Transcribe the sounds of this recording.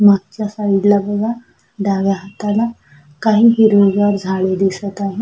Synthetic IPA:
maɡ̚t͡ɕjasaid̪labəɡa | ɖaɡjaɦat̪ala | kaɦiːɦiɾozɡaɾd͡zʱaɭed̪isət̪aɦi

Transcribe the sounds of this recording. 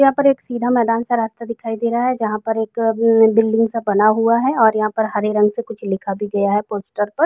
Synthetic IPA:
ɐɦãpɐɾeːksiːd̪ʱamɛːd̪aːnsaɾaːst̪ad̪ɪkʰaːid̪eːɾaɦɛd͡ʒɐɦãpɐɾeːkbɪlɖɪ̃ŋɡsabɐnaɦuaɦɛɔːɾjɐɦãpɐɾɦɐɾeɾɐ̃ŋɡsekʊt͡ʃʰlɪkʰabʱiɡɐjaɦɛpoːsʈəɾpɐɾ

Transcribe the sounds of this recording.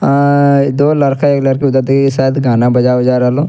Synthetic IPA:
d̪oːləɾkʰaekləɾkiːʊd̪əɾd̪saːd̪ɡaːnaːbəd͡ʒaːod͡ʒaːɾaloː

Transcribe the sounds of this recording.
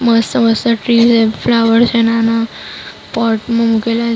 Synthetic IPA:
məsəməst̪əʈɾiseflaʋəɾt͡ʃʰenana | paɾʈmãmukela

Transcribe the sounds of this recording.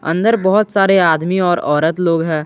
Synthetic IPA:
ɐ̰̃nd̪əɾbɔɦʊt̪saːɾeaːd̪miɔːɾɔːɾət̪loːɡɦɛ̃ː

